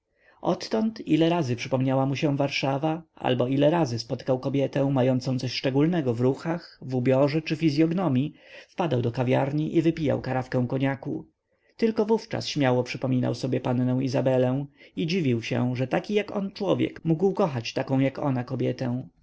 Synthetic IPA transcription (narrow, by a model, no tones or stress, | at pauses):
ʔɔt̪ːɔnt̪ilɛɾazɘpʂɘpɔmɲawamuɕɛ̃vaɾʂavaa̰lbɔilɛɾazɘspɔt̪kawkɔbʲjɛt̪ɛ̃w̃majɔnt̪sɔ̃w̃t̪sɔɕʂt͡ʂɛɡulnɛɡɔvɾuxaxvubʲjɔʐɛt͡ʂɘfʲizʲjɔɡnɔmʲjifpad̪awd̪ɔkavʲjaɾɲiʔivɘpʲija̰wkaɾafkɛ̃w̃kɔɲaku | t̪ɘlkɔvuft͡ʂa̰sɕmʲjawɔpʂɘpɔmʲina̰wsɔbʲjɛpanːɛ̃w̃izabɛlɛ̃w̃id͡ʑivʲiwɕɛ̰̃ʐɛt̪akʲijakɔ̰nt͡ʂwɔvʲjɛ̰kmuɡwkɔxat͡ɕt̪akɔ̃w̃jakɔ̰nakɔbʲjɛt̪ɛ̃